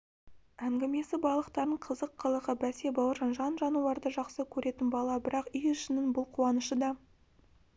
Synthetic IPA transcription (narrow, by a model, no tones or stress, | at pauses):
æŋɡʲɪme̞sɪbɑlˠəqt̪ɑɾəɴqʰəzəqːəlˠəʁəbæse̞bɑwəɾʒɑnʒɑnʒɑnulˠɑɾd̪əʒɑqsəkʲʰɵɾʔe̞t̪ɪnbɑlˠɑbɪɾʔɑqʏjʏʃɪnɪnbʊlˠqʰuɑnəʃəd̪ɑ